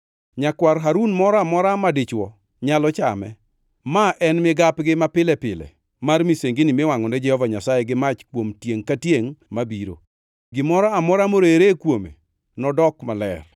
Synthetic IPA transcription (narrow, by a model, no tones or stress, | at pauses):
ɲakwaɾɦaɾunmɔɾɔamɔɾamadɪt͡ʃwɔ | ɲalɔt͡ʃa̰mɛ̰ | maʔɛnmɪɡapɡɪmapɪlɛpɪlɛ̰ | marmiseŋɡɪnɪmɪwaŋɔnɛd͡ʒɛhɔvaɲasajɛɡɪmat͡ʃkwomtjeŋkatjeŋmabiɾo̰ | ɡɪmɔɾɔamɔɾamoɾoeɾekwomḛ | nɔdɔkmalɛr